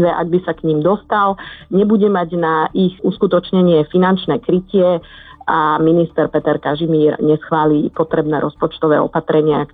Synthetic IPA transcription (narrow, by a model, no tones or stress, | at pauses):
ɛʔa̰ɡ̚bisakɲimd̪ɔst̪alɲɛbuɟɛmaɟnaʔixuskut̪ɔt͡ʃɲɛɲɪɛfinant͡ʃnɛːkɾicɪɛaminist̪ɛɾpɛt̪ɛɾkaʒimiːɾɲɛsxʋaːliːpɔt̪ɾɛbnɛːɾʔɔspɔt͡ʃt̪ɔʋɛ̰ːɔ̰pat̪ɾɛɲɪa